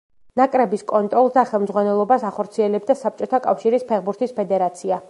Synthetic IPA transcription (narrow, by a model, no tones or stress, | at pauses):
nakʼɾɛbiskʼɔnt̪ʼɾɔlˠsd̪aχɛlˠmd̪zʁwanɛlˠɔbasaχɔɾt̪sʰiɛlɛb̚d̪asap̚t͡ʃʼɔt̪ʰakʼafʃiɾispʰɛχbuɾt̪ʰispʰɛd̪ɛɾat̪sʰia